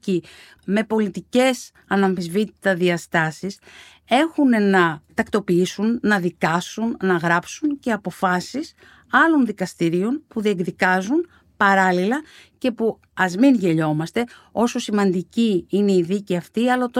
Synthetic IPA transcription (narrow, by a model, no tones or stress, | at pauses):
i | me̞po̞lit̪ice̞s | ɐnɐmizvit̪i̥t̪ɐðiɐst̪ɐsis | e̞xune̞nɐt̪ɐkt̪o̞piisunːɐðikɐsunnɐɣɾɐpsunce̞ɐpo̞fɐsis | ɐlo̞nðikɐst̪iɾio̞npuðieɡðikɐzun | pɐɾɐlilɐce̞pu | ɐzminʝe̞ʎo̞mɐst̪e̞o̞so̞simɐnd̪iciine̞iðiciɐft̪iɐlot̪